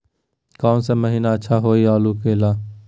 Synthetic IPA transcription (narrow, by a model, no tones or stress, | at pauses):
kaːnseməɦiːnaːətːʃʰaːɦoːiːaːluːkeːlaː